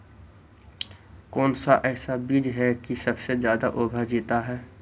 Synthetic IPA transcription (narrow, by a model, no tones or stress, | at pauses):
kɔːnsaʔɛːsabiːd͡ʒɦɛkisɐbsezjaːd̪aʔoːbʱad͡ʒiːt̪aɦɛː